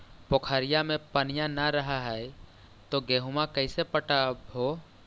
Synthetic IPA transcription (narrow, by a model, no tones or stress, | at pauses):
pokʰaːɾɪjamẽpənɪjanəɾəɦaɦɛɛ | t̪oɡɛːɦumakəɪsepəʈaɦoː